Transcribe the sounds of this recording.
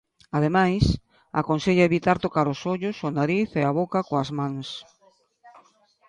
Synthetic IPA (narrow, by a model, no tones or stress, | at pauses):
aðemajs | a̰konseʎaeβit̪aɾt̪okaɾʊsoʎʊsʊnaɾiθeaβokakoazmãŋs